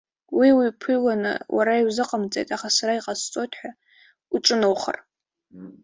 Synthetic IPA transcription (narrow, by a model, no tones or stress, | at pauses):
wiwipʰɨjlanɨ̰wʔa̰ɾaiwzɨqʼamt͡sʼejtʼaχasaɾaiqʼast͡sʼotʰʼħʷᶣa | uʈ͡ʂʼɨnowχə̰r